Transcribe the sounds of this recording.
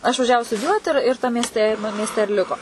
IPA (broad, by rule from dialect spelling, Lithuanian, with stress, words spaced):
ɪʃʋɐˈʒʲæːʋʊ stʊdʲɪˈjuɔtʲɪ ɪr ɪr tɐm mʲiɛsʲˈtʲɛ ɪ mʲiɛsʲˈtʲɛ ɪr ˈlʲɪkoː